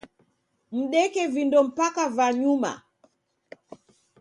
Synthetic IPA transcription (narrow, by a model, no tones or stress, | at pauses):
m̩ɗɛkɛvindɔm̩pakavaɲuma̰